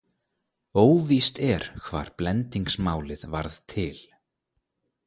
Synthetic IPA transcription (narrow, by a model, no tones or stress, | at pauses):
oːwvist̪ɛɾ̥kʰva̰ːɾ̥plɛnt̪iŋksmaːwlɪðvaɾðt̪ʰɪl̥